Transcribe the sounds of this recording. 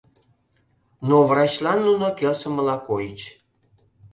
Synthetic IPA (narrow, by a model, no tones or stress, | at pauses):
novrɑt͡ɕlɑnːunokelsə̆mə̆lɑkojət͡ɕ